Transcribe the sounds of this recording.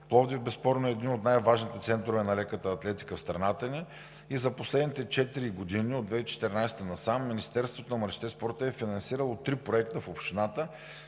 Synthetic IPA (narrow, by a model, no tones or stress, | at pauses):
plˠɔvd̪ivbɛspɔɾnoɛːd̪ninot̪najvaʒnit̪ɛt̪sɛnt̪ɾovɛnɐlɛkət̪əːt̪lɛt̪i̥kəfst̪ɾɐnat̪əni | izɐposlɛd̪nit̪ɛt͡ʃɛt̪iɾiɡod̪iniod̪vɛit͡ʃɛ̥t̪ɛɾnajsɛ̥t̪ənɐsamːinist̪ɛɾst̪vot̪onɐmɐɾt͡ʃi̥t̪ɛspɔɾt̪əɛfinɐnsiɾəlˠot̪ːɾipɾoɛkt̪əfopʃt̪inat̪ə